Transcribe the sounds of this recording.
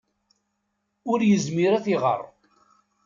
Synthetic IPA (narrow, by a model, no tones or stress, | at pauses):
ʊɾjəzmiɾæθiʁə̰rˤ